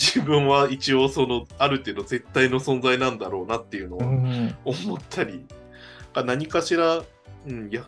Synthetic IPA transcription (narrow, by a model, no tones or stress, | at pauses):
d͡ʑiːbɯ̟̃ɰ̃βait͡ɕio̞so̞no̞aɾɯ̟t̪e̞ːd̪o̞ze̞t̪ːaino̞sõ̞nzainãnd̪aɾo̞ːnat̪ːe̞jɯ̟no̞βaomo̞t̪ʰːaɾʲi | kanaɲ̟ikaɕiɾa | ɯ̟̃ɴja